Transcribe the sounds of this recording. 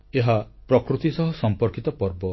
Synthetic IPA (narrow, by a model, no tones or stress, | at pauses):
eɦapɾɔkɾut̪isɔɦɔsɔmpɔɾkit̪ɔpɔɾbɔ